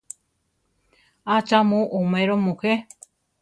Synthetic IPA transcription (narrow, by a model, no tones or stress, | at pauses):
at͡ʃamũʔumẽɾomũhe